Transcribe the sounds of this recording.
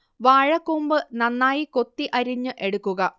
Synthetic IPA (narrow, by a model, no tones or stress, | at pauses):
ʋaːɻɐkːuːmbɨnɐnːaːjiko̞t̪ːiʔɐɾiɲːɨʔe̞ɽukːuɣɐ